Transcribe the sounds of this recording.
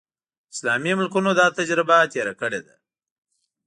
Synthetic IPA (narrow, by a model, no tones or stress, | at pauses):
ɪslɑmimʊlkunod̪ɑt̪ad͡ʒɾɪbat̪eɾakəɽed̪a